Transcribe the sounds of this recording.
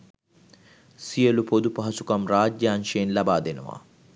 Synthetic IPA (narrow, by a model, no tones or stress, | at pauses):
sijəlupod̪upɐɦɐsukɐmraːd͡ʒjaːnʃejenlabaːd̪enə̰ʋa̰ː